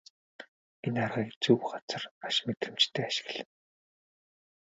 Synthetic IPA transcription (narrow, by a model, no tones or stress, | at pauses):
enarʁiːkt͡suwɢat͡sə̆raʃmet̪ɘ̆m̥t͡ɕt̪ʰeːaʃɪ̥̆ɣɮɘ̆n